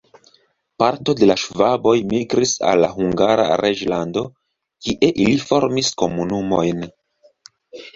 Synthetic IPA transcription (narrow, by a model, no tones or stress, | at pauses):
paɾto̞de̞laʃvabo̞jmiɡɾisa̰lːa̰ɦuŋɡaɾa̰ɾed͡ʒlando̞ | kiʔe̞ʔilifo̞ɾmisko̞munumo̞jn